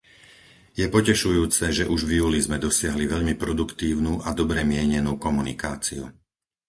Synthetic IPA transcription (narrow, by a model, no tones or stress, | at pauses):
jɛpɔcɛʃujuːt͡sɛʒɛʔuʒvjuːlizmɛd̪ɔsɪaɦliʋɛʎmipɾɔd̪ukt̪iːʊnuːʔad̪ɔbɾɛmɪɛɲɛnuːkɔmunḭkaːt͡siṵ